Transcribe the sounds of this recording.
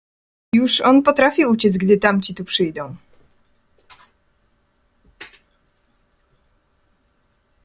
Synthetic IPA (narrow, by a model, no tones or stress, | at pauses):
juʂɔnpɔt̪ɾafʲiut͡ɕɛd̪zɡd̪ɘt̪amt͡ɕit̪upʂɘjd̪ɔ̃w̃